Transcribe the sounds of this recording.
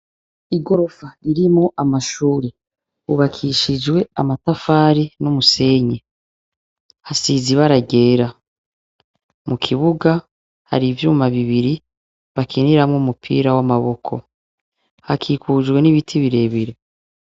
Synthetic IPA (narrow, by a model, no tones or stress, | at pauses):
iɡo̞ɾo̞faiɾimoʔamaʃuːɾe | uβakʰiʃid͡ʒwe̞amatafaːɾinumuse̞ːɲe | hasiziβaɾaɟe̞ːɾa | mukʰiβuɡa | ha̰ɾivjuːmaβiβiɾi | βakʰiniɾamŋumupʰḭɾawamaβo̞kʰo̞̰ | hakʰikud͡ʒɡwe̞niβitʰiβiɾe̞ːβiɾe